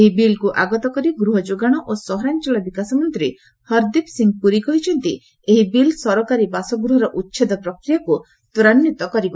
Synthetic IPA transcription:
eɦibilkuʔaɡɔt̪ɔkɔɾiɡɾuɦɔd͡ʒoɡaɽ̃ɔʔosɔɦɔɾant͡ʃɔlɔbikasɔmɔnt̪ɾi | hɔɾd̪ipsiŋɡ̚puɾikɔɦit͡ʃʰɔnt̪i | eɦibilsɔɾɔkaɾibasɔɡɾuɦɔɾɔʔut̪ːʃʰed̪ɔpɾɔkɾijaku | t̪uɾanjut̪ɔkɔɾibɔ

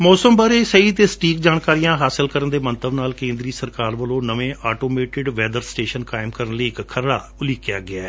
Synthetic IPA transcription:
mɔːsəmbaːɾeːsəiːt̪eːsə̥ʈiːkd͡ʒaːɳkaːɾijãːɦaːsɪlkəɾənd̪eːmənt̪əbnaːlkẽːnd̪ɾiːsəɾkaːɾʋəlõːnəʋẽːʔaːʈoːmeːʈɪɖʋɛːd̪əɾsʈeːʃənkaːɪmkəɾənliːɪkkʰːəɾɽa̰ː | ʊliːkja̰ːɡɪaː

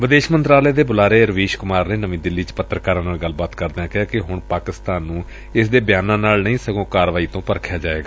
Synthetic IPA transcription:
ʋɪd̪eːʃmənt̪ɾaːleːd̪eːbʊlaːɾeːɾəʋiːʃkʊmaːɾneːnəʋĩːd̪ɪlːiːt͡ʃpət̪ːɾəkaːɾãːnaːɡəlːbaːt̪kəɾd̪eãːkɪaːkɪɦʊɳpaːkɪst̪aːnːũː | ɪsd̪eːbɪjaːnãːnaːlnəĩːsəɡõːkaːɾʋaːiːt̪õːpəɾkʰjaːd͡ʒaːḛːɡaː

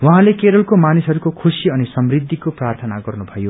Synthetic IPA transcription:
waɦãlekeɾʌlkomanisɦʌɾukokʰusiʌnisʌmrid̪ʱːikoprart̪ʰʌnaɡʌrnubʱʌjo

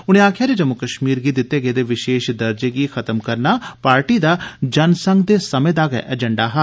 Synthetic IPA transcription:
ʊñẽːaːkʰjaːɾed͡ʒəmːʊkəʃmiːɾɡiːd̪ɪt̪ːeːɡəeːd̪eːʋɪʃeːʃd̪ɐɾd͡ʒeːɡikʰɐt̪əmkəɾnaːpaːɾʈiːd̪aːd͡ʒɐnsə̃ŋɡd̪eːsəmẽːd̪aːɡɛ̰ʔɛd͡ʒəɳɖaːɦaː

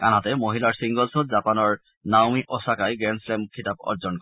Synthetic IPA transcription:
ka̰natɛmoɦilaɹsiŋɡɔlsɔtzapanɔɹ | nawmiʔɔsakajɡɹɛnslɛmkʰitap̚ɔ̰ɹzɔnkɔ

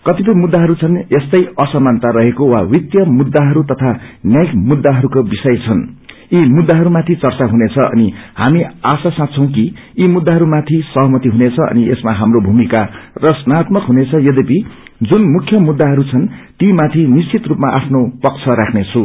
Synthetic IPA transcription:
kʌt̪ip̬ʌjmud̪ːaɦʌɾut͡sʰʌnest̪ʌjʌsʌmːant̪aɾʌɦekowawit̪jʌmud̪ːaɦʌɾut̪ʌt̪ʰanjajk̚mud̪ːaɦʌɾukobisʌjt͡sʰʌn | imud̪ːaɦʌɾumat̪ʰit͡sʌrt͡saɦunet͡sʰʌʔʌ̰nihamiasasãt͡sʰʌ̃w̃k̬i | imud̪ːaɦʌɾumat̪ʰisʌɦʌmʌt̪iɦunet͡sʰʌʌ̰niesmaɦamrobʱumikarʌsnat̪mʌkɦunet͡sʰʌjʌd̪epi | d͡zunmukʰːjʌmud̪ːaɦʌɾut͡sʰʌnt̪imat̪ʰinist͡sit̪rupmaʔapʰnopʌkt͡sʰʌɾakʰnet͡sʰũ

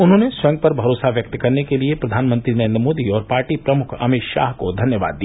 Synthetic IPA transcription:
ʊnɦõːneswɛ̃ŋɡ̚pɐɾbʱɐɾoːsaʋjɐk̚t̪kɐɾnekeliepɾɐd̪ʱaːnmə̃nt̪ɾinɐɾẽːnd̪ɾəmoːd̪iɔːɾpaːɾʈipɾɐmʊkʰɐ̰mɪt̪ʃa̰ːɦkod̪ʱɐnjəʋa̰ːd̪ːija

